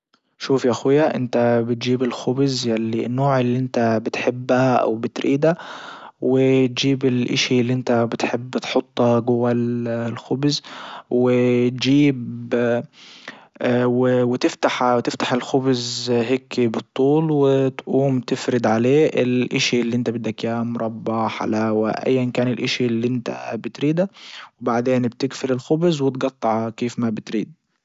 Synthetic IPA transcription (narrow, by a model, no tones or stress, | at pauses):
ʃuːfjaʔaxɪjːaʔɪ̰nt̪abɪt̪̚d͡ʒiːbɪlxʊbzjalːḭnːoːʕɪlːiʔɪnt̪abɪt̪ħɪbːhaʔa̰wbɪt̪ɾʔiːd̪a | wɪt̪d͡ʒiːbɪlʔɪ̰ʃilːiʔɪnt̪abɪt̪ħɪbːɪt̪ħot̪ˤːɑɡʊwallxʊbzwɪt̪d͡ʒiːb | wɪwɪt̪ɪft̪aħt̪ɪft̪ḁħɪlxʊbzɦeːkːibɨt̪ˤːuːlwɪt̪ʔuːmt̪ɪfɾɪd̪ʕaleːʔɪlʔɪʃilːiːʔɪnt̪abɪd̪ːakjaːmʊɾˤʔɑbːɑħa̰laːwa̰ʔa̰jːankaːnɪlʔɪʃilːiʔɪnt̪a̰bɪt̪ɾiːd̪awɪbaʕd̪eːnbt̪ɪɡfɪlɪlxʊbzwɪt̪ɡɑt̪ˤːɑʕkeːfmabɪt̪ɾiːd̪̚